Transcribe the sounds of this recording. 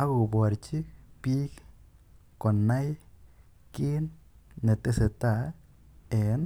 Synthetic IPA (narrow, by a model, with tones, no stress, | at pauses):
a˦ɡo˨bwa˨ɾt͡ʃi˦pi˦k | kɔ˨na˦j | kɪ˦nːe˨te˦se˨ta˨ | ɛ˨n